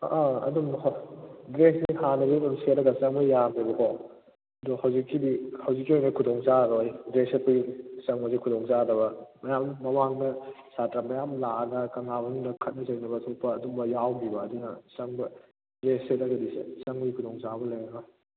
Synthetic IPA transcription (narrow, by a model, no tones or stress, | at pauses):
aɐ̰dum | dɾesnihanɐbɐibumset̚ɾɐɡɐsɐŋbɐjamibɐkʰɔ | dɔhɐwzikːibihɐwzikːiojnɐkʰudɔŋzaɾojdɾesepɐjusɐŋbɐsikʰudɔŋzadɐβɐmɐjamːɐmaŋnɐsatɾamɐjamlaɐɡɐkɐŋabɐŋdɐkʰɐt̚nɐzɐŋnɐbɐtʰopːɐːdumbɐjawbibɐːdunɐsɐŋbɐ | dɾeset̚ɾɐɡɐdisḛsɐŋbɐikʰudɔŋzabɐlajnɐbɐ